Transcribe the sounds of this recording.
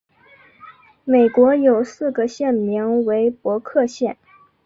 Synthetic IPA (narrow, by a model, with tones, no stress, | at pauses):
me˨˩ɪkwɔ˧˥jo˨˩ʊsɹ̩˥˩ɡə˩ɕjɛ˥˩nmi˧˥ŋwe˧˥ɪpwɔ˧˥kʰɤ˥˧ɕjɛ˥˩n